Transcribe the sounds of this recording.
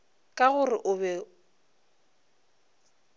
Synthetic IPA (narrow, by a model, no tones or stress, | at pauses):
kʼaɣʊrɪʔʊbɛ